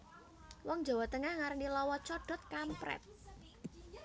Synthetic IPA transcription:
wɔŋ̥d͡ʒa̤wat̪əŋahŋarnilɔwɔt͡ʃɔɖ̥ɔt̪̚kampɾɛ̰t̪̚

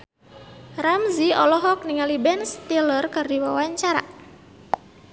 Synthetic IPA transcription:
ramziɔlɔɦɔk̚niŋalibɛnst̪ilərkərdiwawaɲt͡ʃaɾa̰

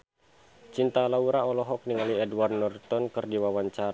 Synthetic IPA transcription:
t͡ʃint̪alauɾaɔlɔɦɔk̚niŋaliɛduwardnɔrt̪ɔnkɨrdiwawaɲt͡ʃaɾ

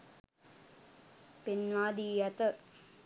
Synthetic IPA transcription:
pinʋaːd̪iːjɐt̪ə

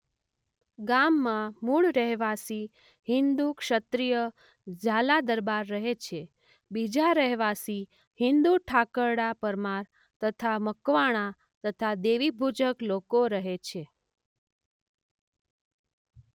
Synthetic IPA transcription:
ɡamːãmuɭɾəɦʋasi | ɦɪnd̪ukʃət̪ɾijə | d͡ʒalad̪əɾbaɾːəɦet͡ʃʰe | bid͡ʒaɾəɦʋasi | hɪnd̪uʈʰakəɽapəɾmaɾ | t̪ət̪ʰaməkʋaɽ̃ã | t̪ət̪ʰad̪eʋibʱud͡ʒəklokoɾəɦet͡ʃʰe

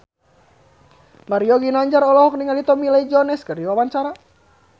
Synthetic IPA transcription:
maɾiɔɡinaɲd͡ʒaɾɔlɔɦɔk̚niŋalit̪ɔmilaid͡ʒɔnɛskərdiwawaɲt͡ʃaɾa

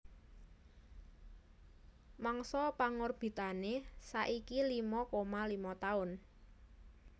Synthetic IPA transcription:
maŋsɔpaŋorb̥i̤t̪anesaʔikilimɔkomalimɔt̪aʊn

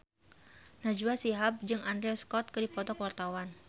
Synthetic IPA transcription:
nad͡ʒuasiɦap̚d͡ʒɨŋʔandɾɛɔskɔt̪̚kɨdipɔt̪ɔkəwart̪awan

